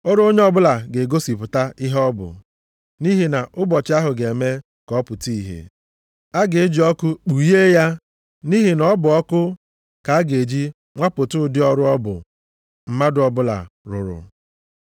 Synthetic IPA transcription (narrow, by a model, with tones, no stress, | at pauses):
o˦ɾo˦ɲe˦ɔ˦bʊ˦la˨ɡe˨ɡo˦si˨pʊ˨ta˦i˦ɦɔ˦bʊ̰˨ | ni˦ɦi˨na˨ʔʊ˦bɔ˨t͡ʃɪ˦a˦ɦʊ˨ɡe˨me˦ | kɔ˨˦pʊ˨ti˦i˨ɦḛ˨ | a˦ɡɪ˨ɪ˦d͡ʒi˨ɔ˦kʊ˦k͡pu˨je˦ja˦ | ni˦ɦi˨nɔ˦bʊ˨ɔ˦kʊ˦ | ka˨a˦ɡe˨d͡ʒi˦ | ŋʷa˦pʊ˨tʊ˦˨dɪ˦ɔ˦ɾʊ˦ɔ˦bʊ̰˨ | m̩˦ma˦dʊ˨ɔ˨bʊ˦la̰˨ɾʊ̰˨ɾʊ̰˨